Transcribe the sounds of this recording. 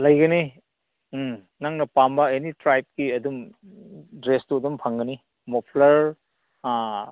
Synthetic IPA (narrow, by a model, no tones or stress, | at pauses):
lɐjɡɐni | naŋnɐpambɐenitɾajp̚kiɐdum | dɾestuɐdumpʰɐŋɡɐni | mopʰlɐɾ